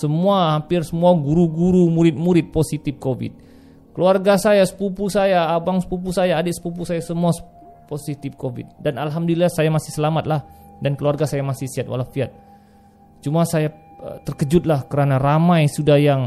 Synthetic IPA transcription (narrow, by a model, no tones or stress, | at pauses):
səmuahampɪrsəmuaɡuɾuɡuɾumuɾɪt̪̚muɾɪt̪̚posit̪ɪfkovɪ̰t̪̚ | kəluarɡasajasə̥pupusajaːbaŋsə̥pup̬usajaːdɪʔsə̥pup̬usajasəmuas | posit̪ɪfkovɪ̰t̪̚danalɦamdolilahsajamasɪhsəlamat̪̚lahdankəluarɡasajamasɪhsiat̪̚wa̰lafiat̪̚ | t͡ʃumasajat̪ərkəd͡ʒʊt̪̚lahkəɾanaramajsudahjaŋ